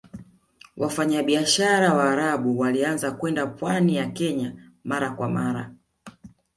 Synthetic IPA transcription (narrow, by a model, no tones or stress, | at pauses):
wʔafaɲaɓiaʃaɾawaːɾaɓuwalianzakwɛndapwanijakɛɲamaɾakwa̰maɾa̰